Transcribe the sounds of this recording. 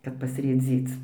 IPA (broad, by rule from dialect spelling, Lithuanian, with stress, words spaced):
ˈkɐt pɐsʲrʲeːˈd͡zʲiːt͡s